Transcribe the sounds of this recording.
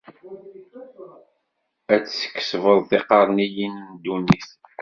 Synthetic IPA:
æt͡sːsə̥kːsvəðˤθɪqɑɾˤnijinmd̪unis

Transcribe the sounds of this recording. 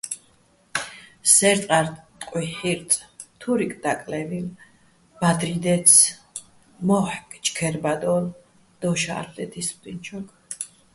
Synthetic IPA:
sɛɾt̪ʼqʼaɾt̪ʼqʼwiħiɾt̪ʼt̪ʰuɾikʼd̪akʼlɛvil | b̥ad̪ɾid̪ɛt̪sʰ | mɔħkʼt͡ʃʼkʰɛɾbad̪ɔl | d̪̥ɔʃa̰ːɾlɛt̪ʰispt̪ʼint͡ʃʰɔk

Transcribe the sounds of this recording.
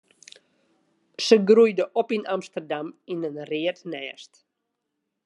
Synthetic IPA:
səɡrujdəʔɔpinamstərdaminənrɪətnɛːst

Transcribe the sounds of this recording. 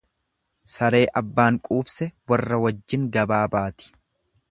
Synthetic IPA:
sɐɾe̞ːʔɐbːaːŋkʼuːbsɛwɐrːɐwɐd͡ʒːɪŋɡɐbaːbaːt̪ɪ̥

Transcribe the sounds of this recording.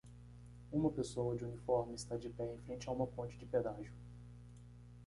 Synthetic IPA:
ũmɐpesowɐd͡ʒɪunifɔɾmɪɪst̪ad͡ʒɪpɛẽj̃fɾẽt͡ʃɪɐũmɐpõnt͡ʃɪd͡ʒɪped̪aʒʊ

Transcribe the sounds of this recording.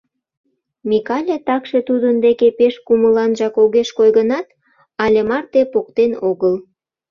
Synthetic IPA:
mikɑlʲet̪ɑkʃe̽t̪ud̪ənd̪ekepeʃkuməlɑnʒɑkoɣeʃkojɣənɑt̪ | ɑlʲemɑrt̪epokt̪enoɣəl

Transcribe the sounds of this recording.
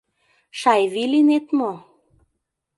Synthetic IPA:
ʃɑjvilinet̪mo

